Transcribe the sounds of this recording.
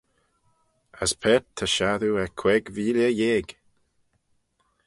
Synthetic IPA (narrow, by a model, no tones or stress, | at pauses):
əspʰɛt̪ʰːəʃaðuɛkʰwɛɡviːljəjeːɡ